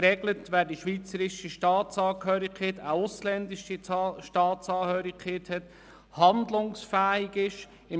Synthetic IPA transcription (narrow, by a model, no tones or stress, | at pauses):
ɾɛɡlətʋæːɾdiʃʋiːt͡səɾɪʃiʃtɑːt̪t͡sɑːkhøːɾikʰeːt̪aʊslɛnd̪ɪʃiʃtɑːtt͡sɑːkøːɾikʰeːt̪hɛt̪ | hɑnd̪lʊŋsfæːɪɡɪʃ | ɪ